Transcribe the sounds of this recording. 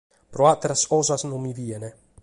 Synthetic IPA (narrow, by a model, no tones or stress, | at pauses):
pɾoat̪eɾasɔzasnomiviene